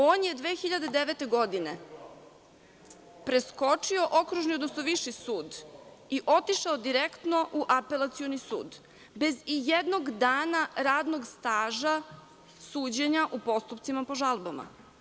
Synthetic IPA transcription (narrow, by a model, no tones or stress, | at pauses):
oːnje̞d̪ʋeːxiʎad̪e̞d̪eʋet̪e̞ɡo̞d̪ine | pɾe̞sko̞t͡ʂio̞ʔokɾuʒniod̪nosnoʋiʃisuːd̪ | iʔo̞t̪iʃaod̪iɾekt̪no̞ʔuʔape̞lˠat̪sijo̞nisṵːd̪ | be̞zijed̪noɡd̪aːnaɾaːd̪no̞ɡst̪aːʒa | suːd͡ʑeɲaʔupo̞st̪upt̪simapo̞ʒalˠbama̰